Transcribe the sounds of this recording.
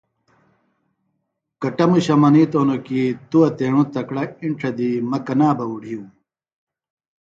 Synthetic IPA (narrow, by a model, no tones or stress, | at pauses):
kɐʈɐmuɕɐmɐniːt̪oːnokit̪uɐt̪eːɳ̃ũt̪ɐkɽɐiɳʈ͡ʂʰɐd̪imɐkɐnaːbɐuɽ̤ʱiũ